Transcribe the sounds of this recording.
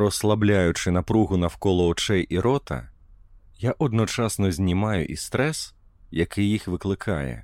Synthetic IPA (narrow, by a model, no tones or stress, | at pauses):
ɾɔslˠablʲajʊt͡ʂɨnapɾuɣunɐwkɔlˠɔɔt͡ʂɛjʔiɾɔt̪ʰɐ̰ | jaʔɔd̪nɔt͡ʂasnɔzʲnʲimajṵʔist̪ɾɛs | jakɪjixʋɨklˠɪkʰa̰jɛ̰